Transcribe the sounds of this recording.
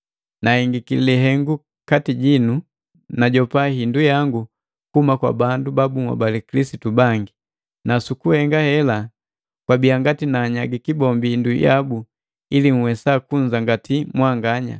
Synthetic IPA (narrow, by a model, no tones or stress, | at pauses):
nahiŋɡikililiɦɛŋɡu | katiɟinu | naɟɔpaɦindujaŋɡu | kumakwa̰bandubabumwa̰balikilisitubaŋɡi | nasukuhɛŋɡahɛla | kwabiaŋɡatinaːɲaɡikibɔmbiinduja̰bu | iliŋ̩wɛsakuɲd͡ʒaŋɡatʰimwaŋɡaɲa̰